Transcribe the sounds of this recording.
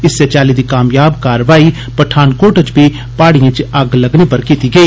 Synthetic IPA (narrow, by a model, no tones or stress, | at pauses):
ɪset͡ʃaːliːd̪iːkaːmjaːbkaːɾʋaːiː | pəʈʰaːnkoːʈət͡ʃbiː | paːɽijãːt͡ʃɐɡləɡniːpəɾkiːt̪iːɡəiː